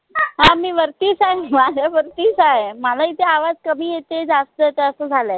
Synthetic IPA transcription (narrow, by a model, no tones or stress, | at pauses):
ɦãmiːʋəɾt̪iːsaɦemad͡ʑʱaʋəɾt̪iːsaɦeməlait̪ʰeaʋad͡zkəbʱiːjet̪ed͡zast̪ət̪eəsəd͡zʱale